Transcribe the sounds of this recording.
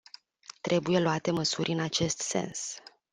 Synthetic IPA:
t̪ɾʔe̞buje̞loat̪e̞məsurʲɨnat͡ʃe̞st̪se̞̰ns

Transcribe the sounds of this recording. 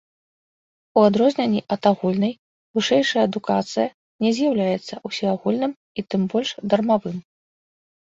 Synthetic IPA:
uad̪ɾɔzʲnʲɛnʲːiʔɐt̪aɣulʲnɐj | vɨʂɛjʂɐjɐːd̪ukat̪sɨjɐ | nʲɛzʲjawlʲajɛt̪sːɐʔusʲiaɣulʲnɨm | it̪ɨmbɔlʲʂd̪ɐrmavɨm

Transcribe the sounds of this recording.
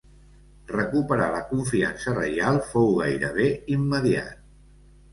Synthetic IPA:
rəkupəɾaləkuɱfia̰nsərə̰jalˠfowɣajɾə̰βeimːəðia̰t̪̚

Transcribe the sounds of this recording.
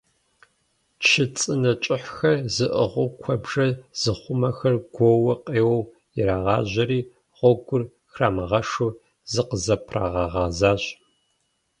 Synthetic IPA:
t͡ʃʰɨt͡sʼɨnɐt͡ʃʼɪħxɐzɨʔəʁʷʊkʷʰɔbʐɐz̥ɨχʷʊmɐxɐrɡʷɔwɐqʼeːwɐw | ɪɾaːʁɑːʑɐɾiː | ʁʷɔɡʷʊr | xraːmɐʁɐʂu | zɨqəzɐpʰra̰ːʁɑʁɑzaːɕ

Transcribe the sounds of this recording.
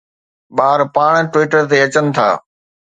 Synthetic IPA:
ɓaːɾpaːɽ̃ʈwiːʈəɾt̪eɐt͡ɕənɪ̆t̪ʰa̰ː

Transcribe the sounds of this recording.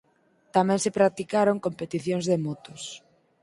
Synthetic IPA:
t̪amɛ̃ŋsɪepɾat̪ikaɾoŋkompet̪iθjoŋzðemɔt̪os

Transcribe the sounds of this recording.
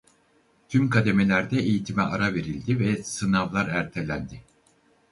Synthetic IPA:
t̪ʰymkʰad̪e̞me̞lʲæɾd̪ɛejit̪ʰimɛʔaɾave̞ɾilʲd̪ivɛsɯnavlˠaɾæɾt̪ʰe̞lʲænd̪ɪ

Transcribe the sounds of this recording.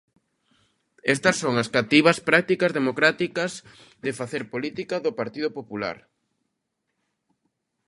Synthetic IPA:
ɛst̪ɐsːoŋɐskat̪iβɐspɾak̚t̪ikɐzðemokɾat̪ikɐz | ðɪfaθeɾpolit̪ikɐðʊpaɾt̪ið̞opopula̰ɾ

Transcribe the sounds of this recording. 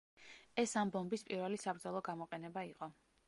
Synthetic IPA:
ɛsambɔmbispʼiɾvɛlisabɾd̪zɔlˠɔɡamɔqʼɛnɛbaiqʼɔ

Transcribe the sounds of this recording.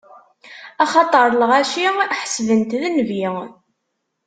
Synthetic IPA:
ɑχɑt̪ˤəɾˤləʁæʃiħə̥svənt̪ðənvi

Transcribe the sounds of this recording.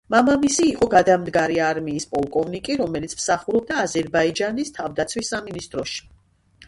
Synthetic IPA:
mamamisiːqʼɔɡad̪amd̪ɡaɾiaɾmiːspʼɔlˠkʼɔvnikʼiɾɔmɛlit̪sʰmsaχuɾɔb̚d̪aːzɛɾbaid͡ʒanist̪ʰavd̪at̪sʰwisːaminist̪ʼɾɔʃi̥

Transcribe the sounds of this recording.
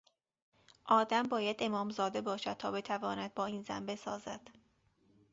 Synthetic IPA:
ʔɒːd̪æmbɒːjæd̪̥e̞mɒːmzɒːd̪e̞bɒːʃæd̪̥̚t̪ʰɒːbe̞t̪ʰævɒːnæd̪̚bɒːiːnzæ̰nbe̞sɒːzæ̰d̪̥

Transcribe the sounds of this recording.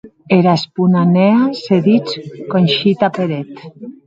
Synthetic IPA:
eɾaspunaneaseðit͡skonʲʃit̪apeɾet̪

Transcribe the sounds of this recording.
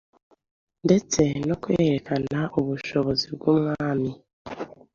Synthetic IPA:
nde̞t͡se̞no̞kweːɾekanaʔoβuʃo̞βo̞ziβɡumwaːmi

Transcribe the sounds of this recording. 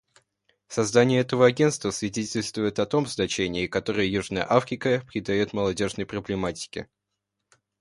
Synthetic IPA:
sɐzd̪anʲɪjəɛt̪əvəɐɡʲe̞nt̪st̪vəsvʲɪdʲetʲɪlʲst̪vʊjɪt̪ɐt̪o̞mznɐt͡ɕenʲɪːkɐt̪o̞ɾɨjəjuʐnəjə̰ʔafɾʲɪkəpɾʲɪd̪ɐjot̪məlˠɐdʲo̞ʐnəjpɾəblʲɪmatʲɪ̥kʲɪ̰

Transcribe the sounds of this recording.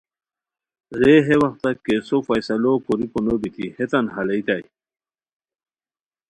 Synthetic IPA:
ɾeɦewɐxt̪akesofajsalokoɾiponobit̪ʰihet̪anɦalait̪aj

